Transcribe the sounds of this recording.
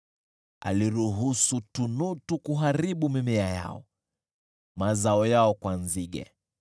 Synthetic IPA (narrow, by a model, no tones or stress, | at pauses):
a̰liɾuɦusutunutukuɦaɾiɓumimɛaja̰ɔ̰ | mazaɔjaɔkwanziɡɛ̰